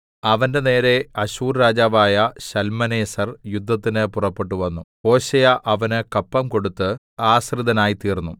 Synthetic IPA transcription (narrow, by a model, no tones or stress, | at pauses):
ɐʋɐnde̞ne̞ːɾe̞ɐɕuːrɾaːd͡ʑaːʋaːjɐɕɐlmɐneːsɐrjud̪ʱːɐt̪̬ːinɨpurɐpːe̞ʈːuʋɐnːu | o̞ːɕɐjɐʔɐʋɐnɨkɐpːɐmko̞ɽut̪ːɨ | aːsrid̪ɐnaːjit̪iːrnːu